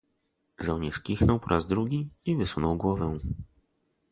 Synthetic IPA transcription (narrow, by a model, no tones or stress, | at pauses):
ʐɔwɲɛʂkʲixnɔwpɔɾʔazd̪ɾuɡʲiivɘsunɔwɡwɔvɛ̃